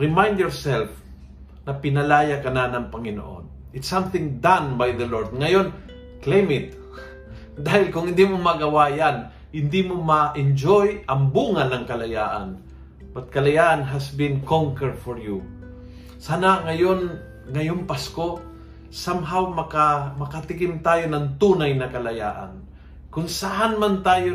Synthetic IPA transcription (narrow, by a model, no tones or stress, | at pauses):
ɹɪmajnd̪jɔɹsɛlf | nɐpɪnɐlaːjakɐnanɐŋpɐŋɪno̰ʔo̰n | ɪt̪sãmθɪ̃ŋd̪ãnbajðɐloɹd̪̚ŋɐjon | klejmɪt̪̚ | d̪aːhɪlkʊŋhɪ̃nd̪imomɐɡɐwaːjan | hɪnd̪imomɐʔɪnd͡ʒojɐŋbuːŋanɐŋkɐlɐjaːʔa̰n | bɐt̪̚kɐlɐjaːʔanɦasbɪnkɔŋkɛɹd̪fɔɹju | saːnaŋɐjon | ŋɐjonpasko | samɦawmɐkamɐkɐt̪ɪkɪmt̪aːjonɐŋt̪uːnajnɐkɐlɐja̰ːʔa̰n | kʊŋsaʔanmant̪aːjo